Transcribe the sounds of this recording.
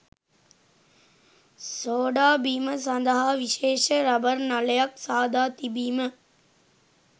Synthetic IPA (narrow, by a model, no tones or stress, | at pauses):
soːɖaːbiːməs̬ɐnd̪əɦaːʋiʃeːʃəɾɐbəɾnɐləjaksaːd̪ʱaːt̪ibiːmə